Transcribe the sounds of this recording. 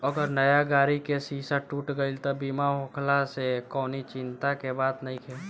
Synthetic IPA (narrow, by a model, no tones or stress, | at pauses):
ɐɡəɾnɐjaɡaːɾikesiːsaʈuːʈɡəilt̪obiːmaɦõːkʰlasekɔːnit͡ʃɪ̃nt̪akebaːd̪nɐɦĩkʰɛ